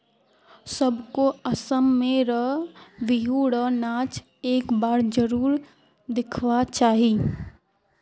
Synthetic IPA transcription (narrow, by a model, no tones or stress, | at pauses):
səbkoəsəmːẽɾəɦʋiɦuɽəɦnat͡ʃ | eːkbaːɾd͡ʒəɾuːɾ | d̪ɪkʰʋat͡ʃaːɦi